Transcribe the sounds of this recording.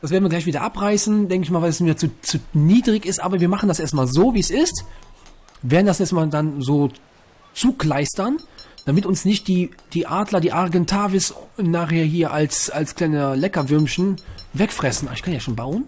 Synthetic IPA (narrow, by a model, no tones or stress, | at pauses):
d̥asveːɐdn̩viɐɡlaɪçv̥iːdɐ̰ʔapʁaɪsn̩dɛŋkəɪçmaːlvalɛsmeːɐt͡sut͡suːniːdʁɪçɪstʔaːbɐviːɐmaχn̩dasʔeːɐstmaːlzoːviːɛsɪst | veːɐdn̩dasʔeːɐstmaːldanzoː | t͡suːkl̥aɪstɐnd̥amɪtʊnsnɪçt̚d̥iːd̥iːʔaːdlɐdiːʔaʁɡɛntʰaːvɪsnaːχheːɐɦiːɐʔalsalskl̥aɪnəlɛkɐvʏɐmçn̩vɛkfʁ̥ɛsn̩ʔaɪçkʰanjaːʃoːnbaʊən